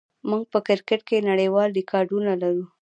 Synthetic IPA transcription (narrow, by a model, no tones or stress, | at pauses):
muɡ̚pəkɪɾkɪʈ̚kenaɽejwɑlɖɪkʰɑɾɖunalaɾu